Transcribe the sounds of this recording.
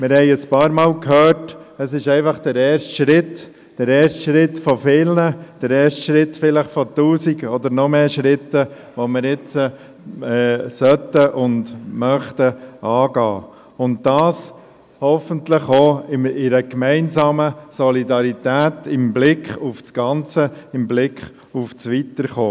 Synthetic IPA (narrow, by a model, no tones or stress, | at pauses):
mɪɾhɛɪəspɑːɾmɑːlkʰhœːɾtəsɪʃɛɪfɑχd̥əɾɛːɾʃtʃɾɪt̪ | d̥əɾɛːʃtʃɾɪtfɔfɪlnəd̥əɾɛːɾʃtʃɾɪtfɪləχfɔtuːsiɡɔd̪əɾnɔmeːʃɾɪt̪ːə | ʋɔmɪɾɪt͡sə | ɛsœt̪əʔʊndmœχt̪əɑːɡɑ̰ː | ʊnt̚dɑːs | hɔfəntləχoːɪmɪɾəkmɛɪnsɑːməsɔlidɑɾit̪æːtɪmblɪkχufsɡ̥ɑnt͡səɪmblɪkχ | ufsʋit̪əɾχoː